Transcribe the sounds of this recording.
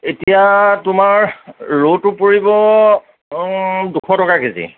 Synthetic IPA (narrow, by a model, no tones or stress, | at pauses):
etijatʊmaɹːotʊpoɹibɔ | dukʰɔtɔkakezḭ